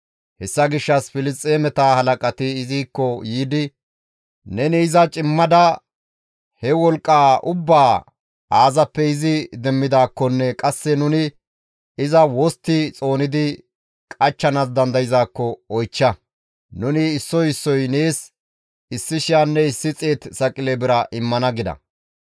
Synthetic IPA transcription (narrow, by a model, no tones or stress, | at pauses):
hɛsːɐɡɪʃːɐsfɪlɪstʼːeːmɛt̪aːhɐlɐkʼɐt̪ɪːziːkːɔjiːd̪ɪ | nɛnɪːzɐt͡ʃʼɪmːɐd̪ɐ | hɛwɔlkʼːaːʊbːaː | aːzɐpːɛɪzɪd̪ɛmːɪd̪aːkːɔnːɛkʼɐsːɛnʊnɪ | ɪzɐwɔst̪ːɪt͡sʼo̞ːnɪd̪ɪ | kʼɐt͡ʃːɐnas̬d̪ɐnd̪ɐjɪzaːkːɔɔjt͡ʃːɐ | nʊnɪːsːɔjɪsːɔjne̞ːs | ɪsːɪʃɪjanːɛɪsːɪt͡sʼeːt̪sɐkʼɪlebɪɾɐʔɪmːɐnɐɡɪd̪ɐ̰